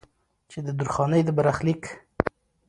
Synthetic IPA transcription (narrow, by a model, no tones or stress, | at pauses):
t͡ʃed̪əd̪uɾxɑnəjd̪əbaɾaxlik